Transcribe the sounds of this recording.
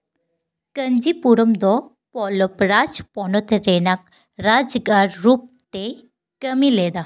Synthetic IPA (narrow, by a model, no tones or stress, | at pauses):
kəɲd͡ʑipuɾəmd̪ɔ | pɔlɔpɾad͡zpɔɳɔt̪ʰɾenak̚ | ɾad͡zɡaɾːup̚t̪e | kəmiled̪a